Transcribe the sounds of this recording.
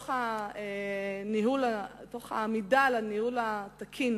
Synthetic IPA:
χaeniɦulato̞χa̰midalanihulatakʰin

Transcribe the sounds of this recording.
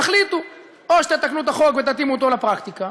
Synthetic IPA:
aχlit̪u | oʃe̥t̪et̪aknut̪aχo̞kvet̪at̪imuot̪olapʁakt̪ika

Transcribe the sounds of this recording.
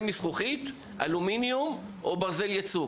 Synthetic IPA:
misχuχit̪ | a̰luminjumʔobaʁzeljat͡su

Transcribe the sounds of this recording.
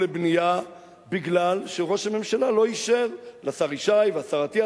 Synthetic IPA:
lebnija | biɡlalʃeʁo̞ʃhame̞mʃalalo̞iʃevlasaʁiʃajvasaʁat̪ia

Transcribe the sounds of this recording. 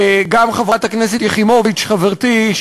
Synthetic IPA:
ɡamχavʁat̪aknɛs̬et̪jeχimovit͡ʃχaveʁt̪i

